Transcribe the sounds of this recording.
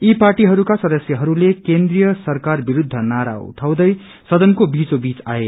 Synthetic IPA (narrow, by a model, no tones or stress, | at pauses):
iparʈiɦʌɾukasʌd̪ʌsjʌɦʌɾulekend̪rijʌsʌrkarbiɾud̪ʱːʌnaɾa̰ṵʈʰaw̃d̪ʌj | sʌd̪ʌnkobit͡sobit͡sae